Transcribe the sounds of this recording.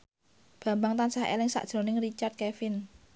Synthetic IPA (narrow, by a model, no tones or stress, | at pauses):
b̥ä̤mbaŋt̪ansahḛlɪŋsa̰ʔd̥ʒ̥ɾo̤nɪŋrit͡ʃart̪̚kefɪn